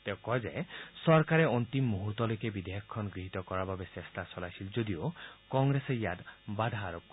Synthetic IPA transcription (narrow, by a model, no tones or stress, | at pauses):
t̪ekɔjd͡ʒajsɔɾkaɾeɔnt̪imːuɦuɾt̪ɔlojkebid̪eɦɔkʰɔkʰːɔnɡɾiɦit̪ɔkɔɾababesest̪asɔlajsʰild͡ʒod̪iokɔŋɡɾesejad̪bad̪ʱaːɾop̚kɔ